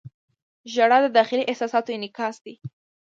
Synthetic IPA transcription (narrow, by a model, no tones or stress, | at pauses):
ʒaɽɑd̪əd̪ɑxɪliʔɪhsɑsɑt̪ojenɪkɑsd̪i